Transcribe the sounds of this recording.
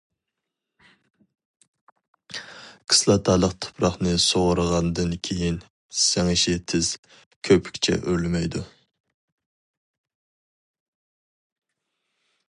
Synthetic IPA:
kʰɨ̥slˠɑt̪ʰɑlˠəqt̪ʰʊ̥pʰɾɑχnɨsoʁəɾəʁɑnd̪ɨnkʲʰejin | sæŋɪʃɪt̪ʰɪz̥ | kʲʰøpʰɪ̥kʲt͡ʃʰɛ̰ʔøɾlmɛjd̪u

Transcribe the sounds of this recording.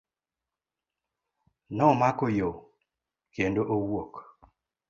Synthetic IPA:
nɔmakojo | kendoʔowwok

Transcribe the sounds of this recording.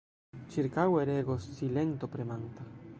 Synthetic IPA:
t͡ʃiɾkaweɾeɡosːilent̪opɾemant̪a

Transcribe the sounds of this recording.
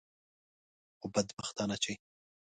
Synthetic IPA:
obad̪baxt̪ɑnat͡ʃe

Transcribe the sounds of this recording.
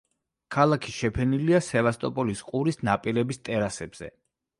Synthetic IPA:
kʰalˠakʰiʃɛpʰɛniliasɛvast̪ʼɔpʼɔlisqʼuɾisnapʼiɾɛbist̪ʼɛɾasɛbz̥ɛ̰

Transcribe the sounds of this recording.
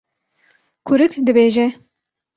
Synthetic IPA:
kʰʊɾɨkd̪ɨbeːʒɛ

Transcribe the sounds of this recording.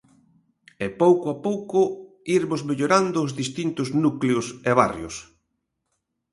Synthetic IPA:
epowkʊapowkʊ | iɾmʊzmeʎoɾand̪ʊːzðist̪int̪ʊznukleʊseβ̞arjʊ̰s

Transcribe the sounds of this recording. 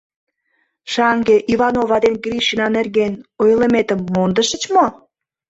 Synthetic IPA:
ʃɑŋɡeʔiβɑnovɑd̪enɡriʃinɑnerɣenojlə̆met̪ə̆mːond̪ə̆ʃə̆t͡ɕmo

